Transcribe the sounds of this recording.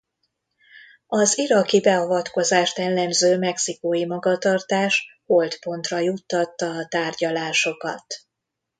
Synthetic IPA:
ɒziɾɒkibɛɒvɒt̪ko̞zaːʃt̪ɛlːɛmzøːmɛksikoːjimɒɡɒt̪ɒrt̪aːʃho̞lt̪po̞nt̪rɒjut̪ːɒt̪ːɒːt̪aːrɟɒlaːʃo̞kɒ̰t̪

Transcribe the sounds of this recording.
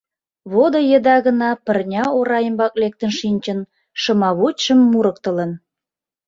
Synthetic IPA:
βod̪ojəd̪ɑɣənɑpə̆rnʲɑoɾɑjəmbɑk̚lek̚t̪ənʃinʲt͡ɕən | ʃə̆mɑβut͡ɕʃəmːuɾək̚t̪ələ̆n

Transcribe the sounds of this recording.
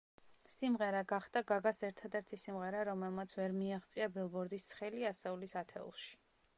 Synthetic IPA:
simʁɛɾaɡaχd̪̥aɡaɡasɛɾt̪ʰad̪ɛɾt̪ʰisimʁɛɾaɾɔmɛlˠmat̪sʰvɛɾmiaχt̪sʼiabɛlˠbɔɾd̪ist̪χɛliasɛulisat̪ʰɛ̰ṵlˠʃi̥

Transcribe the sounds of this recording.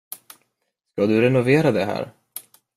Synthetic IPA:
skad̪ɵɾɛnʊveːɾad̪ɛɦæ̰ːɾ

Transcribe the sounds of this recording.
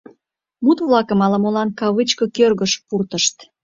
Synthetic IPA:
mut̪βlɑkəmɑləmolɑnkɑβɨt͡ɕkɤkørɣəʃpurt̪əʃt̪

